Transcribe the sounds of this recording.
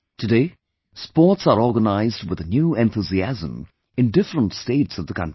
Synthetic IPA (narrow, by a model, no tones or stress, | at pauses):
tʰɨdeɪ | spɔɹtsə˞ɔɹɡənaɪzd̚wɪðənjʉɛ̃nθuziæzə̰̃m | ɨ̃ndɪfɹə̃ntsteɪtsʌvðəkʰʌ̃nti